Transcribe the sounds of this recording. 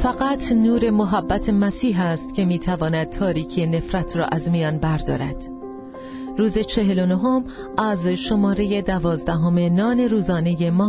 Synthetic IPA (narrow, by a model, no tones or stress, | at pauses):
fæɣæt̪ʰnuːɾe̞moɦæbːæt̪ʰe̞mæsiːɦæst̪cʰe̞miːt̪ʰævɒːnæd̪̚t̪ʰɒːɾiːcʰijene̞fɾæt̪ʰɾɒ̰ːʔæzmijɒːnbæɾd̪ɒːɾæd̪̥ | ɾuːze̞t͡ʃʰe̞ɦe̞lo̞noɦom | ʔæzʃo̞mɒːɾe̞je̞d̪ævɒːzd̪æɦo̞me̞nɒːne̞ɾuːzɒːne̞je̞mɒː